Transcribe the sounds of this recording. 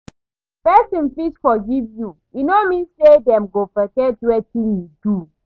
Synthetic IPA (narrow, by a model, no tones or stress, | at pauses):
pɛsĩnfisfɔɡivju | inomĩnsedɛ̃mɡofɛkɛtwɛtĩnjuidu